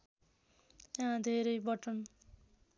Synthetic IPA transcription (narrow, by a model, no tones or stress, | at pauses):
jaãd̪ʱeɾʌjbʌʈʌn